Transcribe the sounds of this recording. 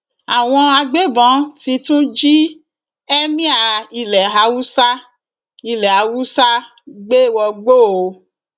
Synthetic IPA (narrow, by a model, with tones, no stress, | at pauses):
a˨w̃ɔ̃˧a˧ɡ͡be˦bɔ̃˨˦ti˧tũ˦d͡ʒi˦ | ɛ˦mĩ˦a˧˨i˧lɛ˨ɦa˧wu˦sa˦ | i˧lɛ˨a˨˧wu˦sa˦ | ɡ͡be˦wɔ˧ɡ͡bo˦˨o˨˧